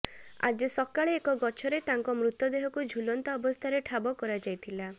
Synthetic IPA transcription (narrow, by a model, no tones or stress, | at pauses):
a̰d͡ʒɔsɔkaɭeːkɔɡɔt͡ʃʰɔɾet̪aŋkɔmɾut̪jɔd̪eɦɔkud͡ʒʱulɔnt̪aɔbɔst̪ʰaɾeʈʰabɔkɔɾad͡ʒajt̪ʰila